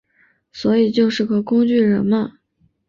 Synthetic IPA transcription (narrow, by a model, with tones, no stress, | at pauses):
swɔ˧˥i˨˩t͡ɕjo˥˧ʊʂɻ̩˥˩ɡə˨˩kʊ˥ŋt͡ɕy˥˩ɻə˧˥nmə˧